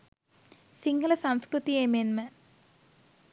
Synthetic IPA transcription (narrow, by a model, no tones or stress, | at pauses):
siŋɡɐlɐsɐmskɾut̪iemenmɐ